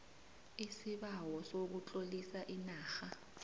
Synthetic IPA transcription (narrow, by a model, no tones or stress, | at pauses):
isiɓawɔsok̬ut͡ɬʼolisaʔinaːxa